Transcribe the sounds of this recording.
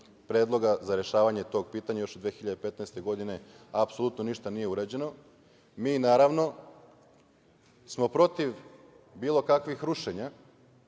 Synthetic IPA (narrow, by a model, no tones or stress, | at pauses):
pɾeːd̪lˠo̞ɡazaɾe̞ʃaːʋaɲe̞t̪o̞ːɡ̚piːt̪aɲajo̞ʃd̪ʋexiʎad̪epe̞t̪naest̪e̞ɡo̞d̪ine̞ | apsolut̪no̞niʃt̪anije̞uɾad͡ʑe̞no̞ | miːnaːɾaʋno̞ | smo̞pɾo̞t̪iʋ | biːlˠo̞kakʋixɾuʃe̞ɲa